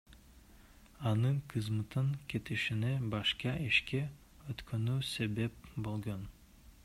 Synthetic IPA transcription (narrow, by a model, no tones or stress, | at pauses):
ɑnɯɴqʰɯzmɯt̪ɯŋkʲʰe̞t̪iʃinebɑʃqɑʔiʃkʲe | øt̪kʰønyse̞be̞p̚bolˠɡon